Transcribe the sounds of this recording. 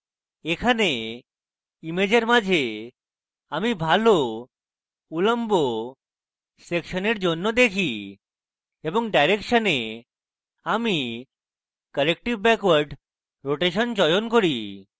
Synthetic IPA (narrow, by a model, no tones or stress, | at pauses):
ekʰane | imed͡ʑeɾmad͡ʒʱe | amibʱalo | uləmbo | sekʃəneɾd͡ʑonːɔd̪ekʰi | bɔŋɖajɾekʃəne | ami | kəlek̚ʈiʋbɛkʋəɾɖ | ɾoʈeʃənt͡ɕɔjonkɔɾi